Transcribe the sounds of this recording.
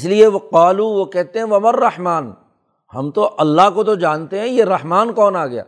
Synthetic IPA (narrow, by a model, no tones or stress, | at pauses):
slieʋɐqaːluːʋokɛɦt̪ẽɦɛ̃ʋɐmɐrːɐhmaːn | hɐ̰mt̪oʔɐlːaɦkot̪od͡ʒaːnt̪eɦɛ̃jeɾɐhmaːnkɔːnaːɡɐja̰ː